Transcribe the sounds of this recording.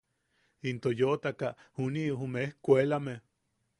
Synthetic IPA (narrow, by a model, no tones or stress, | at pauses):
int̪ojot̪akaʔhunioɦumehkʷelame